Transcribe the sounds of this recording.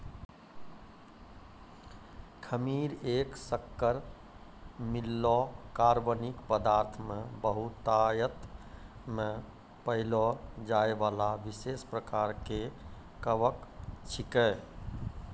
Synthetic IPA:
kʰəmiɾeksəkːəɾ | milːɔkaɾʋənikpəd̪aɾt̪ʰmebəɦut̪ajət̪ | me | pəɦɪlɔd͡ʒaeʋalaʋisespɾəkaɾke | kəʋəkt͡ʃʰikɛ

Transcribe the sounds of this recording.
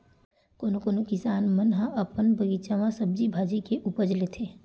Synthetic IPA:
koːnokoːnokɪsaːnmənɦãʔɐpənbʱɐɡit͡ʃamãsɐb̚d͡ʒibʱaːd͡ʒikeʔuːpəɾd͡ʒlet̪ʰeː

